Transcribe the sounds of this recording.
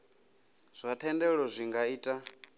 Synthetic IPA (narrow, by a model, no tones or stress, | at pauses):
z̥ʷatʰɛndɛɺɔzʷiŋɡaiːtʼa